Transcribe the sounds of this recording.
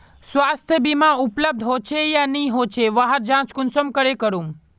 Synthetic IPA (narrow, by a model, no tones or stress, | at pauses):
sʋast̪ʰjəbimãupləb̚d̪ʱɦot͡ʃʰejãniɦot͡ʃʰeʋaɦəɾd͡ʒãt͡ʃkʊnsəmkəɾekəɾũm